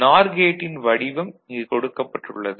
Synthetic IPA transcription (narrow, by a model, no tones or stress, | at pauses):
naːɾɡeːʈːɪnʋɐɽɪʋɐmɪkɔɽɯkːɐpːɐʈːɯ̰ɭːɐðɯ